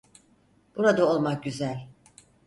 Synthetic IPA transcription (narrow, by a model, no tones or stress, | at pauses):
b̥uɾad̪ao̞lˠmak̚ɟyzælʲ